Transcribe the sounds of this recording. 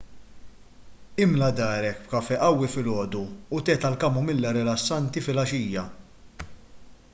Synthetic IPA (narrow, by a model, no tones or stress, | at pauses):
ɪmlɐd̪ɐːɾɛkp̚kɐfɛʔɐwːifɪlɔːd̪uːt̪ɛːt̪ɐlkɐmumɪlːɐɾɛlɐsːɐnt̪ifɪlɐʃiːjɐ